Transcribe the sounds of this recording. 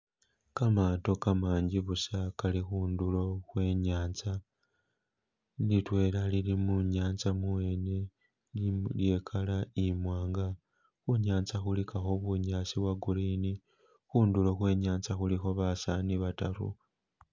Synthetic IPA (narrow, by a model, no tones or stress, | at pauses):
kamaːto̞kamaːɲɟiβusakalixuːndulo̞xwe̞ːɲaːnt͡sa | nitwe̞ːlalilimuɲaːnt͡samuwe̞ne̞ | llje̞ːkʰalaimwaːŋɡa | xuɲaːnt͡saxulikaxo̞βuɲaːsiβwaɡulini | xuːndulo̞xwe̞ːɲaːnt͡saxulixo̞βasaniβataɾṵ